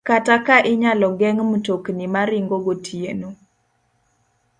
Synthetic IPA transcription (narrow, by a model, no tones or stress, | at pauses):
katakaʔɪɲalɔɡɛŋmutoknimaɾɪŋɡoɡotʰieno